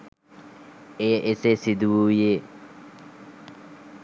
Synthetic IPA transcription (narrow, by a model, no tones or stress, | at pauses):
ejʔesesid̪uwuːje